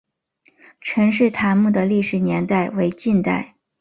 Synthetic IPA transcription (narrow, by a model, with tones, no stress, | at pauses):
ʈ͡ʂʰɤ˧˥ŋʂ̬ɻ̩˥˩t̪ʰa˧˥nmu˥˩d̪ə˩li˥˩ʂɻ̩˧˥njɛ˧˥nt̪a˥˩ɪwe˧˥ɪt͡ɕi˥˧nt̪a̰˥˩ɪ